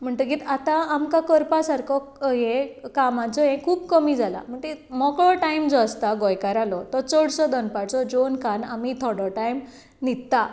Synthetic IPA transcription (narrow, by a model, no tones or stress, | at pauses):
m̤əɳt̪əɡit̪at̪ãamkakəɾpasaɾkʰɔɦẽkamãt͡sɔɦẽkʰuːbkəmiːd͡zʱala̰m̤əɳʈ̪emɔkɭɔʈaimd͡zɔəst̪aɡɔjkaɾalɔt̪ɔt͡sɔɽsɔd̪ənpaɽt͡sɔd͡ʑonkanamit̪ʰɔɽɔʈajm | nit̪ːa